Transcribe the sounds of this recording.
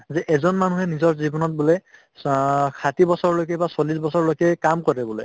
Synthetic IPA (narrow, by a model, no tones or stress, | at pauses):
zɛʔɛzɔnmanuɦɛnizɔɹzibɔnɔt̚bulej | kʰatibɔsɔɹlojkɛbasolisbɔsɔɹlojkɛkamkɔɹɛbuloj